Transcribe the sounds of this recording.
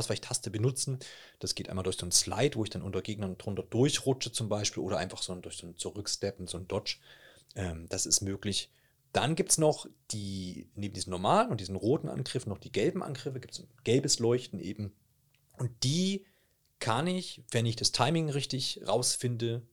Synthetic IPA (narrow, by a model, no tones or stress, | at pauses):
sv̥aɪɪçtʰastəbənʊt͡sn̩ | d̥asɡ̥eːtʔa̰ɪmaldʊɐçz̥oːnsla̰ɪtv̥oːɪçd̥anʔʊntɐɡeːɡ̚nɐndʁʊntɐdʊɐçʁʊt͡ʃət͡sʊmbaɪʃpiːlʔoːɾɐʔa̰ɪnfaχz̥oːndʊɐçz̥oːnt͡suʁʏkʃtɛpn̩zoːnd̥ɔt͡ʃ | ʔɛːmd̥asɪstmøːklɪç | d̥anɡiːptsnɔχd̥iːneːbm̩diːzm̩nɔɐmaːlənʊntd̥iːzənʁoːtn̩ʔa̰nɡʁɪfn̩nːɔχd̥iːɡɛlbm̩ʔa̰nɡ̥ʁɪfəɡiːp̚tszonɡ̥ɛlbəslɔʏçtn̩ʔḛːbm̩ | ʔʊnt̚d̥iː | kʰanɪçv̥ɛnɪçd̥astʰaɪmɪŋʁɪçtɪçʁaʊsfɪndə